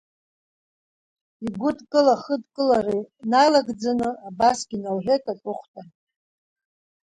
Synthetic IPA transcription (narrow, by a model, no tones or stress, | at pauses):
iɡʷʊdkʼɨlaχədkʼɨlarinajlaɡd͡zanɨabasɡ̥ʲinalħʷᶣekʼatʼʊχʷtʼa